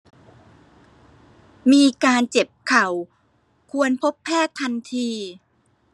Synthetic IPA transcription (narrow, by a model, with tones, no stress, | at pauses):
miː˧kaː˧nt͡ɕe˨˩p̚kʰa˨˩˦w | kʰu˧ənpʰo˦˥pʰːɛː˥˩t̪ʰːa˧nt̪ʰiː˧